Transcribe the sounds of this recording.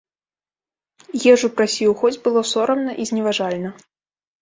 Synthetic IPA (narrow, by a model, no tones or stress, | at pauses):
jɛʐupɾasʲiwxɔd͡zʲbɨlˠɔsɔɾɐmnɐʔizʲnʲɛvaʐalʲnɐ